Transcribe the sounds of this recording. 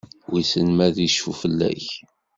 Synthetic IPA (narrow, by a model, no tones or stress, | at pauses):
wisənmæðiʃufəlːæ̰ç